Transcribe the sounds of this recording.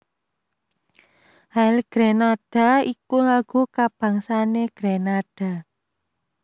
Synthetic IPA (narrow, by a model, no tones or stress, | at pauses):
halɡ̥ɾenaɖ̥a̤ikulaɡ̥ukab̥a̤ŋsaneɡ̥ɾenaɖ̥a̤